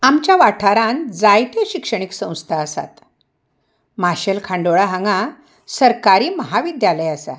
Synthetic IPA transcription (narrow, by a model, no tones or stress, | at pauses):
amt͡ɕjaʋaʈʰaɾãnd͡zajt̪eɕikʂəɳ̃iksə̃w̃st̪ʰaəsa̰t̪ | maɕəlkʰãɳɖoɭaɦãŋɡa | səɾkaɾiːməɦaʋid̪jaləjasa̰